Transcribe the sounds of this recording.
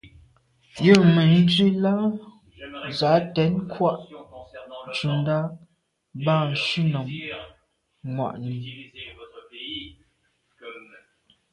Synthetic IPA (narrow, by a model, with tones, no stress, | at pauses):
jə˦˨mə˨n̩˦d͡ʒɥi˦la˦ | za˨˦tɛ˨˦nkʰwa˦ʔ | t͡ʃu˨nda˦ | ba˦˨n̩˨ʃʉ˦nɔ˨m | ŋwa̰˨ʔni˨